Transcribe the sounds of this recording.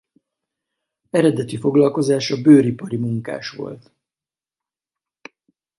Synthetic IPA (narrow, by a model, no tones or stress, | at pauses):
ɛɾɛd̪ɛt̪ifo̞ɡlɒlko̞zaːʃɒbøːɾipɒɾimuŋka̰ːʃʋo̞̰lt̪